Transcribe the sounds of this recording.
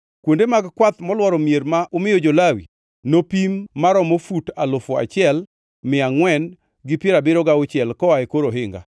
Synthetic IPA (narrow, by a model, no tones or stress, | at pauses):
kwondemaɡkwat̪mɔlwɔɾɔmjeɾmaʔʊmɪjod͡ʒolawḭ | nopimːaɾɔmofutalʊfoa̰t͡ʃɪɛl | mɪaŋwɛn | ɡɪpjeɾabɪɾɔɡaʊt͡ʃjɛlkɔwaekoɾoɦɪŋɡa̰